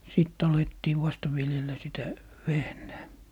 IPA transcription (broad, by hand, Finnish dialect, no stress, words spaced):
siˑtː ɑletːiː ʋɑstɑ ʋiljelˑæ sitæ ʋehnæː